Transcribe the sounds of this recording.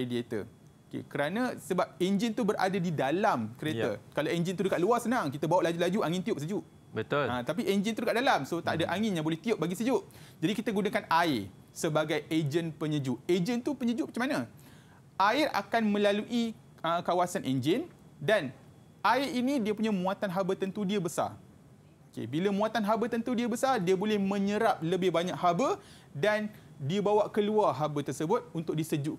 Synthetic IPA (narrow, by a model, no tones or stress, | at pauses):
ediet̪ə̰ | okḛkəɾanasəbap̚end͡ʒint̪ubəɾʔa̰dadidalamkəɾet̪ə̰kalaend͡ʒint̪udəkaʔ̪̚luasənãŋkit̪əbawaʔlad͡ʒulad͡ʒuʔaŋɪnt̪ioʔ̚səd͡ʒuʔ | bət̪olãt̪ap̬iʔend͡ʒint̪udəkaʔ̚dalamsot̪a̰ʔdaʔaŋɪnjãŋbolɛht̪ioʔ̚baɡisəd͡ʒuʔd͡ʒadikit̪əɡunakanaɪ | səbaɡajed͡ʒənpəɲəd͡ʒuʔed͡ʒənt̪upəɲəd͡ʒuʔmat͡ʃamana | ʔaɪɾa̰kanmə̃laluʔi | əkawasanʔḛnd͡ʒɪn | dan | ʔaɪrinĩdiəpuɲãmũat̪anɦabət̪ənt̪udiəbəsa̰r | okḛbilamũat̪anɦabət̪ənt̪udiəbəsardiabolɛhmə̃ɲəɾap̚ləbɪhbaɲaʔhabə | dandiabawaʔkəluarɦabət̪ərsəbʊt̪̚unt̪ʊk̚disəd͡ʒuʔk